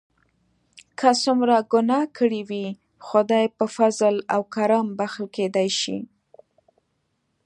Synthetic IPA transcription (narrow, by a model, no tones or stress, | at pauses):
kʰəsumɾaɡʊnɑkʰəɽiwi | xʊd̪ajpəfazlawkaɾambaxlked̪ajʃḭ